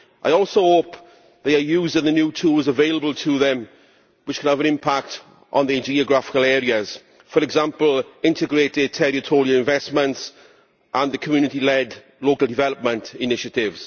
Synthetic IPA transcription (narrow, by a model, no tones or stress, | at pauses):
ʔa̰ɪɔˑlˠsoʊhoːp | ðeɪəjuːzdɪ̃ŋðənjuːtʰuːlˠzəveɪləbəlˠtʰəðə̃m | wɪt͡ʃkʰə̃nəvə̃nɪ̃mpʰak̚t | ʔn̩ðəd͡ʒiːəɡɹafɪ̥kəlɛːɹiəz̥ | fəɾɛɡzãmpəlɪ̃ntɪɡɹeːtɪd̚tʰɛɹɪtʰɔːɹiəlɪ̃ɱvɛsmə̃nts | ʔə̃nðəkʰəmjʉːnɪtilɛd | loːkəlˠdɪvɛləp̚mə̃ntɪnɪʃətɪvz̥